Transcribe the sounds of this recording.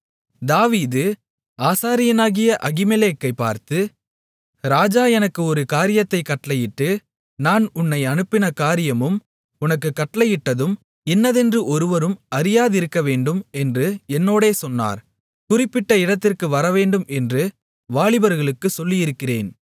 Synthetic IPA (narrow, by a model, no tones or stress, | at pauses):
d̪aːʋiːðɯ | aːsaːɾɪjɐnaːɣɪjɐʔɐɣɪmɛleːkːɐɪpːa̰ːɾt̪ɯ | ɾaːd͡ʒaːɛnɐkːɯɔɾɯkaːɾɪjɐt̪ːɐɪkːɐʈːlɐjɪʈːɯ | naːnʊnːɐɪɐnɯpːɪnɐkaːɾɪjɐmɯm | ʊnɐkːɯkːɐʈːɐlɐjɪʈːɐðɯm | ɛnːɐðɛndrɯʔɔɾɯʋɐɾɯmɐɾɪjaːðɪɾɯkːɐʋeːɳɖɯmɛndrɯɛnːoːɽeːsɔnːa̰ːɾ | kʊrɪpːɪʈːɐɪɽɐt̪ːɪrkɯʋɐɾɐʋeːɳɖɯmɛndrɯ | ʋaːɭɪbɐɾɣɐɭɯkːɯsɔlːɪjɪɾɯkːɪrḛːn